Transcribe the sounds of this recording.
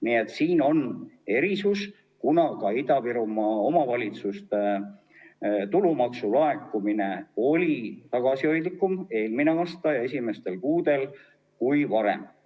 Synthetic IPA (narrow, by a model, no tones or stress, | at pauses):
nie̞t̪ːsiːno̞ne̞ɾisus | kunɑkɑid̪ɑpiɾumɑo̞mɑvɑlʲit̪sust̪e | t̪ulumɑksulɑekːˑumine̞o̞lʲit̪ɑɡ̥ɑsio̞jd̪likːˑume̞ːlmineɑːst̪ɑjɑe̞sime̞st̪e̞lkuːd̪̥e̞l | kujvɑɾe̞̰m